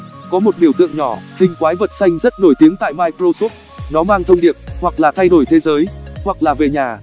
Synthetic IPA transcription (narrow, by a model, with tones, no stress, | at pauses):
kɔ˨˦mo˨˩t̚ɓi˧˩əwt̪ɨ̰˧˨əŋɲɔ˧˩hï˧˩ŋ̟kwaː˨˦jvə˨˩t̚sa˧jŋ̟zə˦˥t̚no˧˩jt̪i˨˦əŋt̪a̰ː˧˨jmaː˧jkɾo˧su˦˥p̚ | nɔ˨˦maː˧ŋt̪ʰə˧wŋ͡mɗi˨˩əp̚hwa˨˩k̚laː˨˩t̪ʰa˧jɗo˧˩jt̪ʰe˨˦zəː˨˦jhwa˨˩k̚laː˨˩ve˨˩ɲaː˨˩